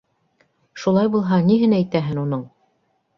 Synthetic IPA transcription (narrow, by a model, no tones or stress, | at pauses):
ʃulˠɑjbulˠɦɑniɦɘnæjt̪æɦɘnunoɴ